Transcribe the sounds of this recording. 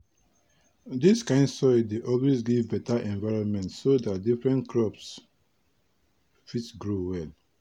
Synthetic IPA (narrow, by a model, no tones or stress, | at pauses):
diskãɪ̃ndsɔɪdeʔɔlwezɡivbɛtaʔɛ̃nvaɹɔ̃nmɛ̃ntsodat̚difɹɛ̃nkʰɹɔps | fitsɡɹowɛl